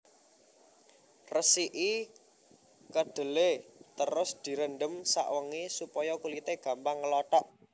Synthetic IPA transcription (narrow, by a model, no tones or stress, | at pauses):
rəsiʔi | kəɖ̥ə̤let̪əɾʊsd̪̥i̤ɾənɖəmsa̰ʔwəŋisupɔjɔkulit̪eɡ̥ä̤mpaŋːəlɔʈ̪ɔʔ